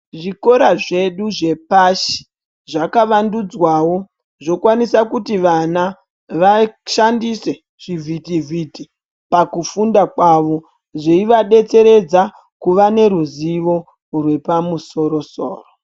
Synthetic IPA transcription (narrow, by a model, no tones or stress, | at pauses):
ʐiko̞ɾaʐe̞ɗuʐe̞paʃi̥ | ʐakaʋandud͡zwawo̞ | ʐo̞kwanisakutiʋana | ʋaʃandise̞ | ʐ̥ivʱitivʱiti | pakufundakwaːʋo̞ | ʐeiʋaɗe̞t͡se̞ɾe̞d͡za | kuʋane̞ɾuziʋo̞ | rwe̞pamuso̞ɾo̞so̰ːro